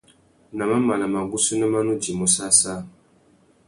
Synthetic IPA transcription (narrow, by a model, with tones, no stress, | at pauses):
na˨ma˦ma˨la˨ma˨ɡu˦su˦nɨ˦ma˦nu˦d͡ʒi˨mɔ˨sa˦saː˦